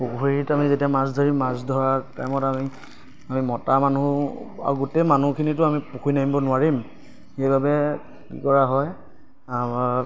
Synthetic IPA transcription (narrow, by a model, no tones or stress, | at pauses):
puɡuɹitamizetiamasdʱɔɹimːasdʱɔɹaɹtajmɔtami | amimɔtamanua̰ɹɡutemanukʰinitʊamipukʰujnaimbɔnʊaɹim | xejbabɛ | kḭkɔɹaɦɔj | amaɹ